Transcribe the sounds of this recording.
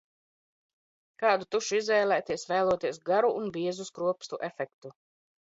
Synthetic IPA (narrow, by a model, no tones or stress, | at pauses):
kaːd̪ut̪uʃizvɛːlˠæːt̪iɛsvæːlˠuɔt̪iɛsɡaɾuʔːnbiɛzuskɾuɔpst̪uʔɛfɛkt̪u